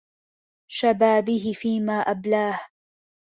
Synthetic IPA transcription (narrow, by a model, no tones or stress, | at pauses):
ʃabaːbɪɦɪfiːmaːʔablaːh